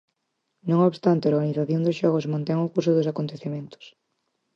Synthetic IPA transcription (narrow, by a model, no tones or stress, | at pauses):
nõŋoβst̪ant̪eaoɾɣaniθaθjond̪ʊsʃɔɣosmõnt̪eŋʊkuɾsʊðʊsakont̪eθemẽnt̪ʊ̥s